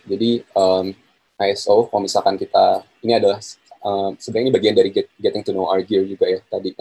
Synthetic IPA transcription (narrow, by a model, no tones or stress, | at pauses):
d͡ʒadiəm | ʔajɛsoəmisalkankit̪a | iniadalahəmsəbəɾaŋinibaɡiandaɾiɡɛt̪̚ɡɛt̪ɪŋt̪unowʔarɡird͡ʒuɡajat̪adi